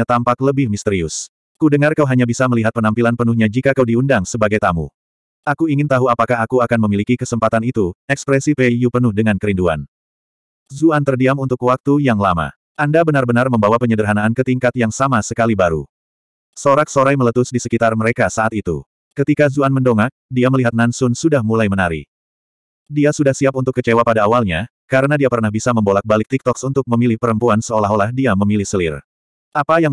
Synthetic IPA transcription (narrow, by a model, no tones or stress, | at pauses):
at̪ampakləbɪhmist̪əɾiʊs | kudəŋarkawɦaɲabisaməliɦat̪̚pənampilanpənuhɲad͡ʒikakawdiundaŋsəbaɡajt̪amṵ | akuiŋɪnt̪aɦuapakaɦakuakanməmilikikəsəmpat̪anit̪uɛkspɾɛsipejupənʊhdəŋankəɾindua̰n | zuant̪ərdiamunt̪ʊkwak̚t̪ujaŋlama̰ | andabənarbənarməmbawapəɲədəɾɦanaːnkət̪iŋkat̪jaŋsamasəkalibaɾṵ | soɾak̚soɾajmələt̪ʊsdisəkit̪arməɾekasaːt̪it̪ṵ | kət̪ikazuanməndoŋak̚diaməliɦat̪̚nansʊnsudahmulajmənaɾḭ | diasudahsiap̚unt̪ʊkːət͡ʃewapadaːwalɲa | kaɾənadiapərnahbisaməmbolak̚balɪk̚t̪ik̚t̪ɔksunt̪ʊk̚məmilɪhpəɾəmpuansəolaɦolahdiaməmilihsəlɪr | ʔapajaŋ